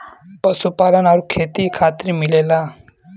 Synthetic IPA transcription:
pəsupalənaɾukʰet̪ikʰat̪ɾiːmilela

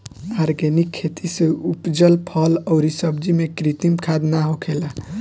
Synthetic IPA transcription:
aɾɡenikʰːet̪ʰiseupd͡ʒəlpʰʌləʊɾisəbd͡ʒimekɾit̪imkʰad̪naɦokʰela

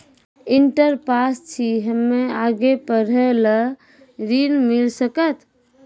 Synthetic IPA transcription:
iɳʈəɾpast͡ʃʰiɦəmːeaɡepəɾələ | ɾinmilsəkət̪

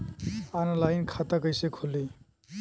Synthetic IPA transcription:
analajnkʰat̪akəjsekʰolːi

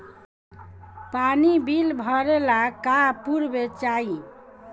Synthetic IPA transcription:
panibilbʱʌɾelakapuɾbet͡ʃai

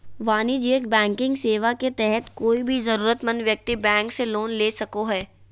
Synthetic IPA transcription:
ʋaːnid͡ʒiːəkbɛ̃ːŋkɪ̃ŋɡseːʋaket̪ɛɦɛt̪koːibʱizɐɾuːɾət̪mɐ̃nʋjɐk̚t̪ibɛ̃ːŋkseloːnleːsɐkoɦɛː

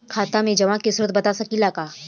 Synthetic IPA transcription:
kʰaːt̪amẽd͡ʒɐʋãːkisʊɾət̪̚bɐt̪asɐkilaːkaː

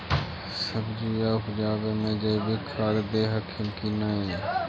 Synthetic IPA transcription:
səbd͡ʒiːjaːɦʊd͡ʒaːbemẽd͡ʒeːbikʰaːɾd̪eːɦəkʰɪlkinaːeː

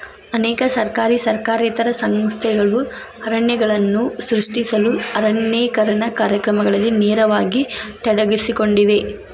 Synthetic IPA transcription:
ɐnɛːkɐsɐɾkaːɾisɐɾkaːɾiːt̪ɐɾɐsɐŋst̪ʰɛɡɐɭu | ɐɾɐɳjɐɡɐɭɐnːusɾuʂʈisɐluɐɾɐɳjeːkɐɾɐɳɐkaːɾjɐkɾɐmɐɡɐɭɐlːineːɾɐʋaːɡit̪ɐɽɐʋisiko̞ɳɖiʋe̞

